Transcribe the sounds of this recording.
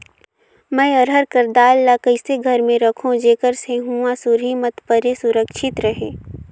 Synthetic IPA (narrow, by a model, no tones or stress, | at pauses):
mɛ̃ːəɾɦəɾkəɾd̪aːlːakəɪseɡʱəɾmẽɾəkʰõd͡ʒeːkəɾseɦũãsʊɾimət̪pəɾesʊɾəkʃɪt̪ɾəɦeː